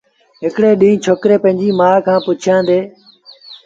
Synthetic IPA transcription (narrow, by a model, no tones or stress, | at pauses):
ɦɪkɽeːɗĩːt͡ʃʰoːkɾeːpə̃ɦɪ̃ɲd͡ʑiːmaːkʰãːpʊt͡ʃʰjãːnd̪eː